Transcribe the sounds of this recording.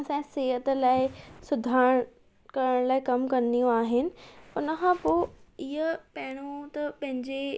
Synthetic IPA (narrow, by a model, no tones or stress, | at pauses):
sãseːɦət̪əlaːɪsʊd̪ʱaːɽ̃ | kɐɾəɽ̃laːɪkɐmkɐnd̪ijũaːɦɪnɪ̆ʊnəkʰãpoːiɦəpɐɦɪɽ̃ot̪ɐpɐ̃ɦɪ̃ɲd͡ʑe